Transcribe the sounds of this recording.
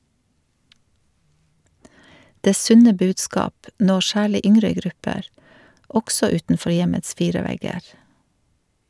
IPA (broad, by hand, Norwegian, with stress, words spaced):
ˈdeː ˈsʉnə ˈbʉːdˌskɑːp ˈnɔ ˈsæːɭɪ ˈʔʏŋɾə ˈɡɾʉpəɾ ˈɔɡsɔ ˈʉːtn̩ˌfɔɾ ˈjɛməts ˈfiːɹə ˈʋɛɡəɾ